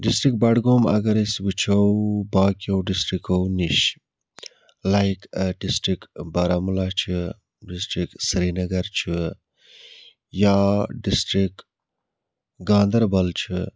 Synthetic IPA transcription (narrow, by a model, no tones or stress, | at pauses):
ɖisʈɾikbɐɖɡoːmɐ̰ɡɐɾisbɨt͡ʃʰɐwbaːkiɐwɖisʈɾikowniɕ | lajkɖisʈɾikbɐɾɐmulaːt͡ʃʰi | ɖisʈɾiksɾinɐɡɐɾt͡ʃʰi | jaɖisʈɾik | ɡãːnd̪ɐɾbɐlt͡ʃʰi